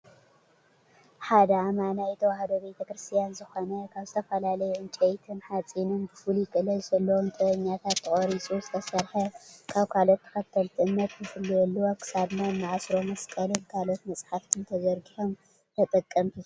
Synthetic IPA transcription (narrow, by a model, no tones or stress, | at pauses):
ħad̪ɐmanajt̪ʰɐwahd̪obe̞t̪ʰɐkɾɨst̪ʰijanzɨxo̞nɐkʰaβzɨt̪ʰɐfɐlalɐjuʔɨnt͡ʃʼejt̪ʰɨnħat͡sʼinɨnbɨfɨljikʼɨlɐjzɐlːɐwomt̪ʼɨβɐɲːat̪ʰat̪ʰːɨkʼoɾisʼuzɨt̪ʰɐsɐɾħɐkʰaβkʰalo̞t̪ʰːɐ̥xɐt̪ʰːɐlt̪ʰɨʔɨnːɐt̪jɨfɨlːujɛlːuwakʰɨ̥saβnanːaʕasɾo̞mɐskʼɐlonkʰalo̞t̪mɐt͡sʼħaft̪ʰɨnt̪ʰɐzɐɾɡiħo̞m | t̪ʰɐt̪ʼɐkʼːɐmt̪ʰu